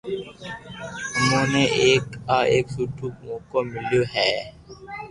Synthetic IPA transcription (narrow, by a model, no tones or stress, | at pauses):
ʊmõːneʔeːkaːeːksuːʈʰuːkmõːkoːmɪljoːɦɛː